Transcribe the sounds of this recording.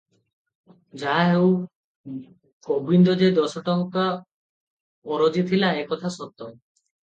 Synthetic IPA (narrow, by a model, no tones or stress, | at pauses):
d͡ʑaɦew | kobind̪od͡ʑed̪ɔʃɔʈɔŋka | ɔɾod͡ʑit̪ʰilaekɔt̪ʰasɔt̪ːɔ